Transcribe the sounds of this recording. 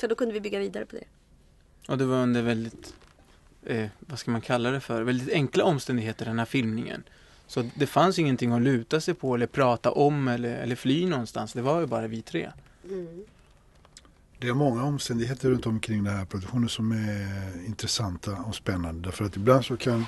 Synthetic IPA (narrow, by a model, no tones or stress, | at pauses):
sɔd̪oːkʰɵnd̪əvɪbʏɡːaviːd̪aɾəpʰɔd̪ɛ̰ | ʔɔd̪ɛvaɾɵnd̪əɾvɛld̪ɪt̪ | vaskamankʰalːad̪ɛfœɾvɛld̪ɪt̪ɛŋklaɔmst̪ɛnd̪ɪɡɦeːt̪əɖɛnhæːɾfɪlmnɪŋə̰n | sɔd̪ɛfansɪŋːənt̪ɪŋːɔlʉ̟ːt̪asɛjpʰɔɛlːəɾpʰɾɑːt̪a̰ʔɔmːɛlːəɾɛ̰lːəɾflyːnɔnst̪ansd̪ɛvajɵbɑːɾavɪt̪ʰɾḛː | d̪̥ɛæɾmɔŋːaɔmst̪ɛnd̪ɪɡheːt̪əɾːɵnt̪ɔmkʰɾɪŋːd̪ɛnhɦæːɾpʰɾɔd̪ʉkɧuːnəsɔmæɪnt̪ɾɛsant̪ʰaɔspɛnːand̪əd̪æɾfœɾat̪ɪbland̪sɔkʰan